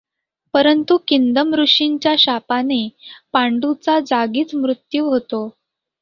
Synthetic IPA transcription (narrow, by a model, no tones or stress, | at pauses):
pəɾənt̪ukind̪əmɾuʂiɲt͡ɕjaɕapanepaɳɖut͡sad͡zaɡiːt͡smɾut̪juʋɦot̪o